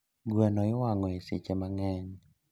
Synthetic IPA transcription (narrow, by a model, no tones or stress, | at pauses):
ɡwanɔɪwaŋɔɪsɪ̰t͡ʃemaŋɛɲ